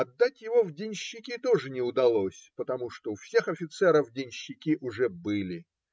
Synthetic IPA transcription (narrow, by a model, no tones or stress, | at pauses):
ɐd̪ːatʲjɪvovdʲɪnʲɕːɪkʲit̪o̞ʐɨnʲɪʊd̪ɐlˠo̞sʲpət̪ɐmuʂt̪oʊfsʲe̞xɐfʲɪt̪sɛɾəvdʲɪnʲɕːɪkʲiʔʊʐɛbɨlʲɪ